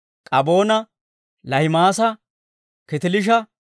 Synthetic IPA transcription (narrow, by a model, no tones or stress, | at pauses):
kʼɐbo̞ːnɐ | lɐhɪmaːsɐ | kɪt̪ɪlɪʃ̬ɐ